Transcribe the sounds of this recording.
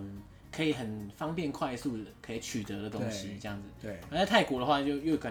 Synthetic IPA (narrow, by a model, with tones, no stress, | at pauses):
kʰɤ˧˥i˨˩xə˨˩nfɑ˥ŋpjɛ˥˧nkʰwa˥˧ɪsu˥˩kʰɤ˧˥i˨˧˥t͡ɕʰy˨˩t̪ɤ˨˦ɾə˨˧t̪ʊ˥ŋɕi˧ʈ͡ʂɤ˥˧jɑ˥˩ŋd͡zɹ̩˩a˧˥ɕt̪ʰa˥˩ɪku˨˩d̪ə˦xwa˥˧t͡ɕjo˥˧ʊjo˥˩ʊkʰə˨˩